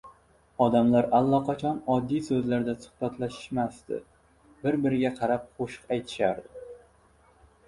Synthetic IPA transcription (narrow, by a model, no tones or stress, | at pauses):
ɒd̪amlaɾalˠːɒqʰɑt͡ʃʰɒnɒd̪ːijsɵzlaɾd̪asʊ̥hbat̪ʰlaʃɪ̥ʃmast̪ɪ̰ | bɪɾbɪɾɪɡʲaqʰɑɾap̚χoʃɨ̥qajt̪ʰɪ̥ʃaɾd̪ɪ